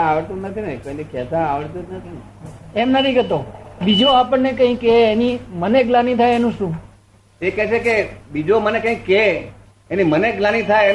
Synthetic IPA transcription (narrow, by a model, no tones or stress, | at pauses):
aʋəɽt̪unət̪inekəjnikɛsãaʋəɽt̪unət̪ʰine | ɛmnət̪ʰikɛt̪obid͡ʒoapəɳnekə̃ɦĩkeːniməneɡlanĩt̪ʰajenũʃũː | ekɛʃekebid͡ʒomənekə̃ĩkːe | eniməneɡlanit̪ʰaje